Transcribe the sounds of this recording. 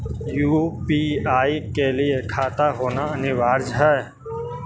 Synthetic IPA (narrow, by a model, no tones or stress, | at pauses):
juːpiːaːikelɪekʰaːt̪aɦoːnaɐnɪʋaːɾd͡ʒɦɛː